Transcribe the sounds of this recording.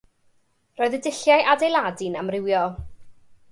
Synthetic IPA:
rɔːɨðədɪɬjajʔadejlˠadɪnamrɪwjɔ

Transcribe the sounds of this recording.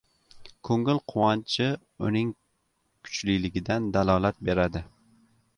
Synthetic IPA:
kʰɵŋɪlˠqʰʊwɒnt͡ʃʰɪ | ʊnɪŋ | kʲʰʊ̥t͡ʃlilɪɡʲɪd̪and̪alˠɒlˠat̪̚be̞ɾad̪ɪ

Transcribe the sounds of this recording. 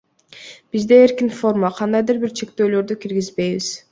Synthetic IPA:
b̥izd̪e̞ːɾkinfo̞rmaqʰɑnd̪ɑjd̪ɯɾbiɾt͡ʃʰe̞kt̪ø̞ːlø̞ɾd̪ykiɾɡizbe̞jβiz̥

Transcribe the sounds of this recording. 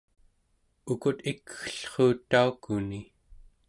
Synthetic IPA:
ukut̪ikxə̥ɬχoːt̪ːaukuni

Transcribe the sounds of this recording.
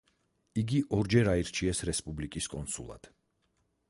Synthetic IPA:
iɡiʔɔɾd͡ʒɛɾaiɾt͡ʃʰiɛsɾɛspʼublikʼiskʼɔnsṵlˠa̰d̪̥

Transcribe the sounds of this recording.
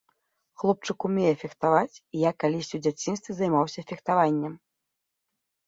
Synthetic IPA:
xlˠɔp̚t͡ʂɨkumʲɛjɛfʲixt̪avat͡sʲijakːalʲisʲt͡sʲiwd͡zʲat͡sʲinst̪vʲizajmawsʲɐfʲixt̪avanʲːɛm

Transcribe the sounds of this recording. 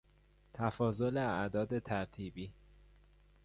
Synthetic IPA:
t̪ʰæfɒːzoleæʔd̪ɒːd̪e̞t̪ʰæɾt̪ʰiːbiː

